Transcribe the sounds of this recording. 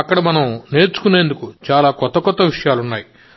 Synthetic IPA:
ɐkːɐɽɐmɐnɐmne̞ːɾt͡ʃu̥kune̞ːnd̪ukut͡ʃaːlaːkɔt̪ːɐkɔt̪ːɐʋiʂɐjaːlunːaːji

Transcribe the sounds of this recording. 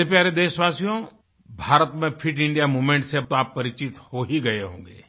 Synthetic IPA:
epjaːɾed̪eːʃʋaːsijõ | bʱaːɾət̪mẽpʰɪʈɪ̃ɳɖijamoːmẽɳʈseaːppɐɾɪt͡ʃɪt̪hoɦiɡɐeɦõ̰ːŋɡḛː

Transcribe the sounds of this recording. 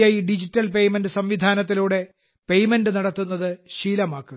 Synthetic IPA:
jaːjiɖid͡ʑitːɐlpe̞jmendɨsɐmʋid̪ʱaːnɐt̪ːiluːɽe̞ | pe̞jmendɨnɐɽɐt̪ːunːɐðɨɕiːlɐmaːkːɨ

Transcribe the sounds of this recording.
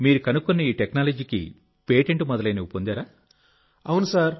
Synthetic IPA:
miːɾukɐnukːunːɐiːʈeknaːlɐd͡ʒiːkḭ | peːʈeɳʈumɔd̪ɐlɐjnɐʋipond̪aːɾaː | ɐwunusaːɾ

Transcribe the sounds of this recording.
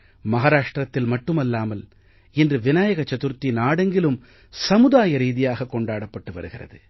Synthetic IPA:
mɐɣaːɾaːʂʈrɐt̪ːɪlmɐʈːɯmɐlːaːmɐl | ɪndrɯʋɪnaːjɐɣɐt͡ʃːɐt̪ɯɾt̪ːinaːɽɐŋɡɪlɯm | sɐmɯðaːjɐɾiːðɪjaːɣɐkːɔɳɖaːɽɐpːɐʈːɯʋɐ̰ɾɯɣɪrɐ̰ðɯ

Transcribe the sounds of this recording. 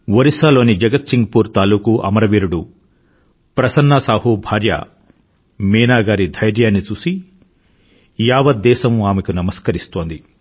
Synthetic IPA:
ʋɐɾisaːlo̞ːnid͡ʒɐɡɐt̪siŋɡɐpuːɾt̪aːluːkuʔɐ̰mɐɾɐʋiːɾuɽu | pɾɐsɐnːasaːɦubʱaːɾjɐ̰ | mɛːnaːɡaːɾid̪ʱɐjɾjaːnːit͡ʃuːsi | jaːʋɐd̪ːɛːsɐmuaːmekunɐmɐskɐɾist̪o̞ːnd̪i

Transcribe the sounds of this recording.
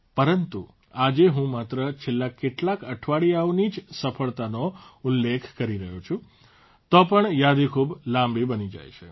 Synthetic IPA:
pəɾənt̪ṵ | ad͡ʒeɦũmat̪ɾət͡ʃʰelːakeʈlakəʈʰʋaɭiaonid͡ʒsəfəɭt̪anoulːekʰkəɾiɾəɦot͡ʃʰũ | t̪ɔpəɳjad̪ikʰublãmbibənid͡ʒa̰jt͡ʃʰe

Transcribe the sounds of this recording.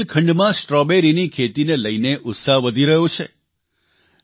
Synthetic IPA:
lkʰəɳɖmãsʈɾɔbeɾinikʰet̪ineləjneʔʊt̪saɦʋəd̪ʱiɾəɦjõt͡ʃʰe

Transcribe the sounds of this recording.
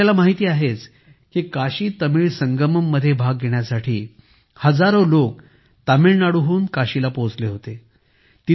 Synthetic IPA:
alamaɦit̪iːaɦet͡s | kiːkaɕiːt̪əmiːɭsəŋɡəməmːəd̪ʱːjebʱaɡːeɳjasaʈʰiː | həd͡zaɾolok̚ | t̪amiːɭnaɽuɦuːnkaɕilapot͡sleɦot̪e | t̪i

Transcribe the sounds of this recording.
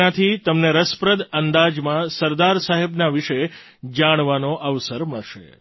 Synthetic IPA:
ãt̪ʰit̪əmneɾəspɾəd̪ənd̪ad͡ʒmãsəɾd̪aɾsaɦebnaʋiʃe | d͡ʒaɽ̃ʋanoʔəʋsəɾməɭʃḛ

